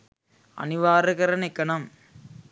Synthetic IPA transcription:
ɐ̰nɪʋaːɾɯɣɐɾɐnɛkːɐnɐm

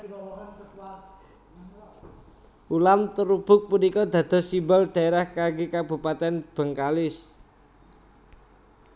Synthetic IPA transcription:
ulamt̪əɾub̥ʊ̤k̚punikɔd̪̥ä̤d̪̥ɔ̤simbalɖ̥a̤eɾahkaɡekab̥ṳpat̪ɛnb̥ə̤ŋkalɪs

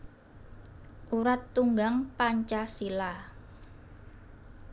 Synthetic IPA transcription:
ʔuɾat̪ːuŋɡaŋpaɲt͡ʃasila

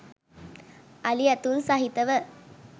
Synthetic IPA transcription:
ɐlɪjɐt̪ːunsaːɦɪt̪ːɐʋɐ

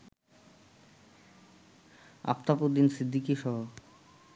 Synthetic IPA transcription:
a̰pt̪apud̪insid̪ːikiʃɔɦo

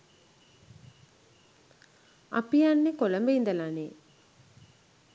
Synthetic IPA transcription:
a̰pijanːekoləmbəind̪əlane

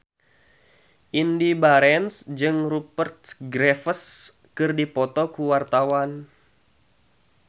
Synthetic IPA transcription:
ʔindibaɾɛnsd͡ʒɨŋrupərt̪̚ɡɾɛfəs | kɨrdipɔt̪ɔkuwart̪awan

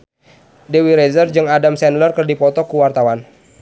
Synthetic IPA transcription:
dewiɾɛzərd͡ʒɨŋadamsɛnlərkɨrdipɔt̪ɔkuwart̪awan

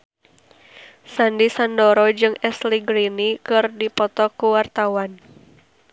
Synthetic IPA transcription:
sandisandɔɾɔd͡ʒɨŋɛsliɡɾinikɨrdipɔt̪ɔkuwart̪awan

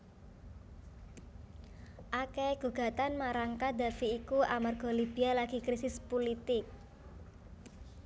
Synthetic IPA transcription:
ʔakɛɡ̥uɡ̥a̤t̪anmaɾaŋkad̪a̤fiːkuʔamarɡ̥ɔ̤libi̤alaɡ̥i̤kɾisɪspolit̪ɪk̚

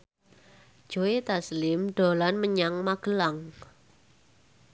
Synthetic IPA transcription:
ʒ̥oet̪aslɪmɖ̥o̤lanməɲaŋmaɡ̥əlaŋ

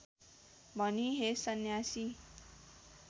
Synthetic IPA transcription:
bʱʌniɦesʌnjasi

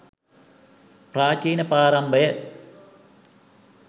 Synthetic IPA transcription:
praːt͡ʃiːnɐpaːɾɐmbɐjɐ

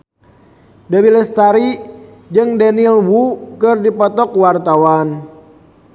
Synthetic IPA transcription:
dəwilɛst̪aɾi | d͡ʒɨŋdanilwukɨrdipɔt̪ɔkwart̪awan

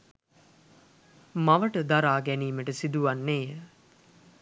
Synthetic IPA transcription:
maʋəʈəd̪aɾaːɡæniːməʈəsid̪uʋanːeːə

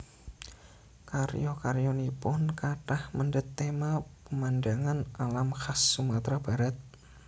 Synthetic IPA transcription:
karjɔkarjɔnipʊnkaʈahməɳɖət̪ːemapəmanɖaŋanalamxasːumat̪ɾab̥a̤ɾat̪̚

